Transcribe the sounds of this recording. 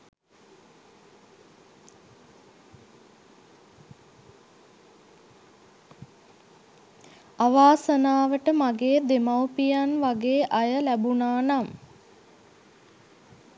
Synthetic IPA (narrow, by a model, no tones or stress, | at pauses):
aʋaːsənaːʋəʈəmaɡeːd̪emawpijanʋaɡeːʔajəlæbunaːnam